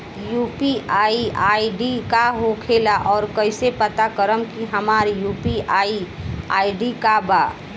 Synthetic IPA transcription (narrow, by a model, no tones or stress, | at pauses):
juːpiaːiaːiɖikaɦokʰeːlaʔɔːɾkəɪsepət̪akəɾəmkiɦɐmaːɾjuːpiaːiaːiɖikabaː